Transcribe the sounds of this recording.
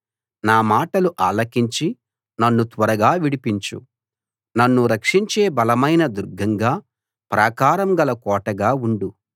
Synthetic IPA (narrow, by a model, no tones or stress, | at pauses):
naːmaːʈɐluʔaːlɐkiɲt͡ʃi | nɐnːut̪ʋɐɾɐɡaːʋiɽipiɲt͡ʃṵ | nɐnːuɾɐkʂiɲt͡ʃe̞ːbɐlɐmɐjnɐd̪uɾɡʱɐŋɡaː | pɾaːkaːɾɐmɡɐlɐkɔːʈɐɡaːuɳɖu